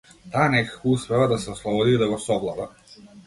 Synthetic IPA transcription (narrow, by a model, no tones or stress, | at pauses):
t̪aːnɛkḁkouspɛvad̪asɛoslˠobod̪id̪aɡosɔblˠad̪a̰